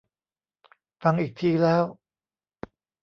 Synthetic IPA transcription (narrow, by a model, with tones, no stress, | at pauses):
fa˧ŋʔiː˨˩k̚t̪ʰiː˧lɛː˦˥w